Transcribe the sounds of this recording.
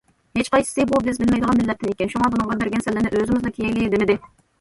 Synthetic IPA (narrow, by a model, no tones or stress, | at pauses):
het͡ʃqɑjsɨ̥sɨbubɪzbɪlmɛjd̪əʁɑnmɪlːɛt̪̚ʰːɪnekʲɛnʃuŋɑbunɨŋʁɑbɪɾɡʲɛnsɛlːɪnɪʔøzɪmɪznɨkʲʰejejlid̪ɪmɪd̪ɪ